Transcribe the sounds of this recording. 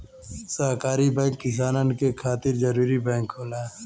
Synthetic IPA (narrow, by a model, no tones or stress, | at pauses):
saɦkaːɾibɛ̃ːŋkːɪs̬aːnankekʰaːt̪ɪɾd͡ʒɐɾuːɾibɛ̃ːŋkɦoːlaː